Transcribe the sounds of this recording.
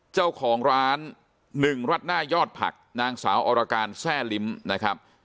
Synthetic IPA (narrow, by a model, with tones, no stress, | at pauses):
t͡ɕa˥˩wkʰɔː˩˦ŋɾaː˦˥nː | ɯ˨˩ŋɾa˦˥˩t̪̚naː˥˩jɔː˥˩t̪̚pʰa̰˨˩k̚naː˧ŋsa̰ː˩˦wʔɔː˧ɾa˧kaː˧nsɛː˥˩li˦˥mna˦˥kʰɾa˦˥p̚